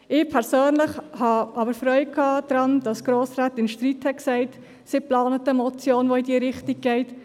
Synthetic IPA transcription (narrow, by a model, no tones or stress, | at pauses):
ɪːpʰɛɾsøːnlɪχhɑʔɑbəɾfɾœʏkʰːɑːd̥̪ɾɑnd̥ɑsɡ̥ɾoːsraːtɪnʃtriːthɛksɛɪt | sɪplɑːnət̪əmɔt͡sjoːnʋoɪdiːəɾɪχtiɡ̚ɡ̥ɛɪt